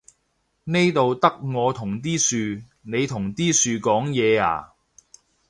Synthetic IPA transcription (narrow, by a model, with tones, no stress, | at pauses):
ne˥jt̪o˨wt̪ɐ˥k̚ŋɔː˨˧t̪ʰʊ˨˩ŋt̪iː˥syː˨˧ | ne˨˧jt̪ʰʊ˨˩ŋt̪iː˥syː˧kɔː˨˥ŋjɛː˨˧a̰ː˨˩